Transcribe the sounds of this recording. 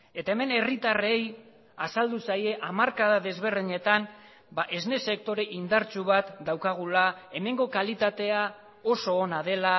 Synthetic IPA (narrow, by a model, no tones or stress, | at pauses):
e̞t̪aeme̞ne̞rit̪are̞j | asald̪usaje̞ʔamaɾkaðaðe̞zβ̞e̞rðiɲe̞t̪an | baʔe̞zne̞se̞k̚t̪o̞ɾe̞ʔind̪aɾt͡ʃuβ̞at̪d̪awkaɣ̞ulae̞me̞ŋɡo̞kalit̪at̪e̞a | o̞so̞ːnað̞e̞la